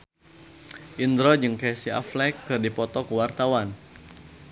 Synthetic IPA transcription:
ʔind̪ɾɔd͡ʒɨŋkɛsia̰flɛkːɨrdipɔt̪ɔkuwart̪awan

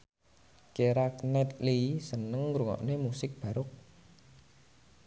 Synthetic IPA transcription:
keɾaknɛt̪̚lisənəŋɾuŋɔ̰ʔnemusɪk̚b̥a̤ɾʊk̚

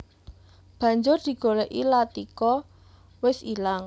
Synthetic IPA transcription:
b̥ä̤ɲd͡ʒʊrd̪̥i̤ɡ̥olɛʔilat̪ikɔ | wɪsilaŋ

